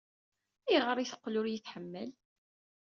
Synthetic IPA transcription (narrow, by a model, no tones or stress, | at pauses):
iʁəɾˤiθə̥qːlʊɾjəθħəmːəl